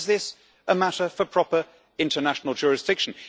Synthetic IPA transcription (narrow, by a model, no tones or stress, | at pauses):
zðɪs | əmatəfəpʰɹ̥ɒpə˞ | ɪ̃ntʰənaʃnəlˠd͡ʒʊːɹɪsd̥ɪkʃə̃n̩